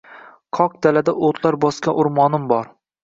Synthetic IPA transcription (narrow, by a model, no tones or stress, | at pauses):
qʰɒq̚d̪̥alad̪aʔot̪ʰlaɾbɒskʲaʔʊɾmɒnɪmbɒɾ